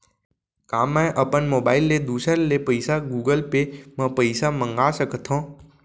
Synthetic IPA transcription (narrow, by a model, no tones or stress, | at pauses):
kaːmːɛ̃ʔəpənmoːbaːɪlːed̪uːsəɾlepəɪsaɡuːɡəlpemə̃pəɪsamə̃ŋɡaːsəkt̪ʰõː